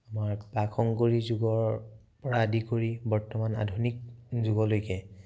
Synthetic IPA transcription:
amaɹpakʰɔŋkoɹizuɡɔɹ | pɔɹaːdikoɹibɔɹtɔmana̰dʱunik̚zuɡɔlojkɛ

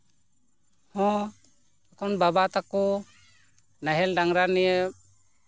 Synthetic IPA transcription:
hɔ̃ | akʰɔnbabat̪akɔ | naɦɛlɖaŋɾanɛjə

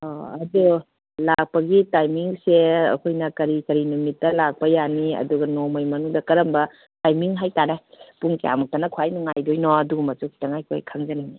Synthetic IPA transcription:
ɔɐdu | lak̚pɐɡitajmiŋseɐ̰kʰojnɐkɐɾikɐɾinumitːɐlak̚pɐjaniɐ̰duɡɐnɔmojmɐnuŋdɐkɐɾɐmbɐ | tajmiŋɦajtanepuŋkea̰muk̚tanɐkʰwajnuŋajdojnɔɐduɡumɐtukʰi̥taŋajkʰojkʰaŋzanini

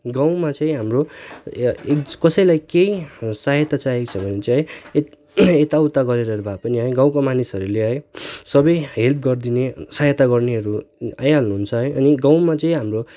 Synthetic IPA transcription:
ɡãw̃mat͡sʌ̃ĩɦamro | kkʌsʌjlajkejsaɦjʌt̪at͡saɦekt͡sʰʌbʱʌnet͡saj | et̪aut̪aɡʌɾeɾʌɾubʱapʌniɦʌjɡãw̃komanisʌɾuleɦʌjsʌbʌjɦelp̚ʰɡʌrd̪inesaɦjʌt̪aɡʌrneɦʌɾua̰jalnuɦunt͡sʰʌɦʌjʔʌniɡãw̃mat͡sʌĩɦamro

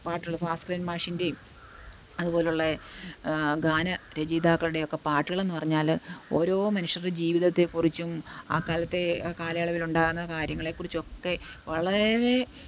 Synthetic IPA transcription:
paːʈːɨɣɐɭfaːskriːnmaːʂinde̞ | ɐðupo̞ːleuɭːɐ | ɡaːnɐɾed͡ʑiːd̪aːkːɐɭuɽe̞jo̞kːe̞paːʈːuɣɐɭe̞nːupɐrɐɲːaːlo̞̰ːɾo̞ːmɐnuʂɐrd͡ʑiːʋiðɐt̪ːe̞kurit͡ɕːuma̰ːkaːlɐt̪ːe̞kaːlɐjɐɭɐʋiluɳɖaːɣunːɐkaːɾjɐŋːɐɭe̞kːurit͡ɕːuo̞kːe̞ʋɐɭɐɾe̞

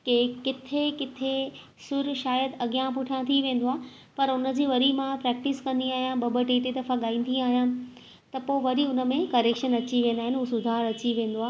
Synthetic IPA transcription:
kekɪt̪ʰekɪt̪ʰe | sʊɾʃaːjəd̪ɐɠijãpʊʈʰijãt̪ʰiʋẽːn̆d̪oaːɦ | pɐɾʊnə̆d͡ʑiːʋɐɾimãpɾɛːk̚ʈɪskɐ̃nd̪iaːɦijãbɐbəʈeːt̪ed̪ɐfaɠaːĩːnd̪iaːɦijã | t̪ɐpoːɪʋɐɾiʊnə̆mẽkɐɾeːkʃənɐt͡ɕiʋẽːnd̪aːɦɪnɦuːsʊd̪ʱaːɾɐt͡ɕiʋẽːn̆d̪oaː

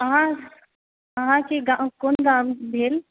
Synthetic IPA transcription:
ɐɦã | ɐɦãkʰeɡakoːnɡ̪ãːmbʱeːl

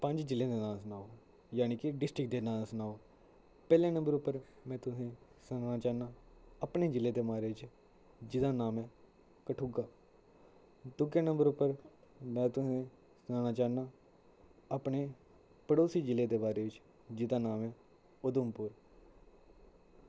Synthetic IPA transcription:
pəɲd͡ʒd͡ʒɪlẽːd̪eːnãːsənaːoː | jaːniːkɪɖɪsʈɾɪk̚d̪eːnãːsʊnaːoː | pɛːlẽːnə̃mbəɾʊpːəɾ | mɛ̃ːt̪ʊsẽːsnaːnaːt͡ʃaːnãːəpneːd͡ʒɪlːẽːd̪eːmaːɾeːɪt͡ʃ | d͡ʒɪd̪aːnaːmɛː | kəʈʰuːɡaː | d̪ʊɡeːnə̃mbəɾʊpːəɾ | mɛ̃ːt̪ʊsẽː | sənaːnaːt͡ʃaːnãː | əpɳeː | pəɽoːsiːd͡ʒɪleːd̪eːbaːɾeːʋɪt͡ʃ | d͡ʒɪd̪aːnaːmɛː | ʊd̪ʊmpʊɾ

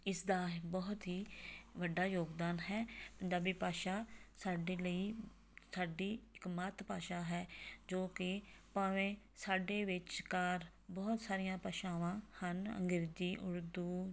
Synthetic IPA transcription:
ɪsd̪aːbɔːt̪ɦiːʋəɖːaːjoːɡd̪aːnɦɛːpəɲd͡ʒaːbiːpaːʃaːsaːɖeːləiː | saːɖiːɪkmət̪paːʃaːɦɛːd͡ʒoːkɪpaːʋẽː | saːɖeːʋɪt͡ʃkaːɾ | bɔːt̪saːɾɪjãːpəʃaːʋãːhənə̰ŋɡɪɾd͡ʒiːʔʊɾd̪uː

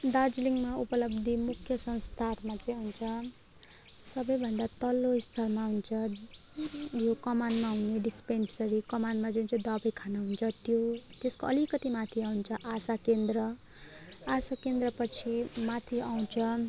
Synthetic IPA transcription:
d̪ad͡zliŋmaupʌlʌbd̪ʱimukʰjʌsʌ̃nst̪ʰarmat͡sʌĩɦunt͡sʰʌ | sʌbʌjbʱʌnd̪at̪ʌloist̪ʰalmaɦunt͡sʰʌ | jokʌmanɖmaɦuneɖispensʌɾikʌmanɖmad͡zunt͡sʌĩd̪ʌbekʰanaɦunt͡sʰʌt̪jot̪eskoʌlikʌt̪imat̪ʰiaunt͡sʰʌʔasakend̪rʌ | asakend̪rʌpʌt͡sʰimat̪ʰiaw̃t͡sʰʌ

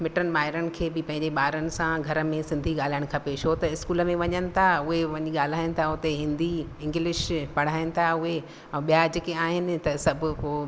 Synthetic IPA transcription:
mɪʈənmaːɦɪɾəɽɪ̆kʰeːbɪpɐ̃ɦɪ̃ɲd͡ʑeɓaːɾənɪ̆sãɡʱɐɾə̆mẽsɪ̃nd̪ʱiɠaːl̤aːɪɽ̃kʰãpeːʃot̪ɐɪskuːləmẽʋɐɲənɪ̆t̪ʰaʊɦeʋɐɲiɠaːl̤aːɪnɪ̆t̪ʰaʊt̪eɦɪ̃nd̪iɪ̃ŋɡlɪʃpɐɽ̤aːɪnɪ̆t̪ʰaʊɦe | ɛ̃ːɓijad͡ʑɪkeaːɦɪnɪ̆t̪ɐsɐbʱʊ̆koː

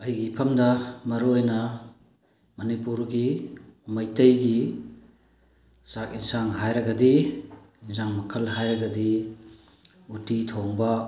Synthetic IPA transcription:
ɐjɡipʰɐmdɐmɐɾuojnɐ | mɐnipuɾɡiumɐjtɐjɡi | sakinsaŋɦajɾɐɡɐdi | zaŋmɐkʰɐlɦajɾɐɡɐdi | utitʰoŋbɐ

